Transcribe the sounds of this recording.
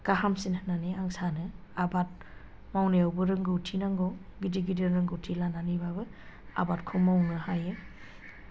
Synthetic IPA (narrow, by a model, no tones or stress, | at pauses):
kaɦamsinhɯnaniaŋsanɯabat̚ | mawneawbɯɾɯŋɡɯutʰinaŋɡɔwɡidiɡidɯɾɯŋɡɯutʰilananibabɯa̰bat̚kʰɔmawnɯhajɯ